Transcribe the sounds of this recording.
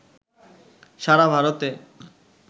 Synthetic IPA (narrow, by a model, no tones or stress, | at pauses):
ʃaɾabʱaɾot̪e